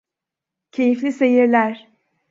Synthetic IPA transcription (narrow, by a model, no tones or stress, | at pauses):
cʰe̞jiflʲise̞jiɾlʲæɾ̥